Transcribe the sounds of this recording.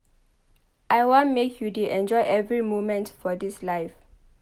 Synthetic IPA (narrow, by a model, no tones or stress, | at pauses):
ʔajwɔ̃ntmekʰjudiʔɛ̃nd͡ʒɔjʔɛvɹimomɛ̃ntfɔdislaɪf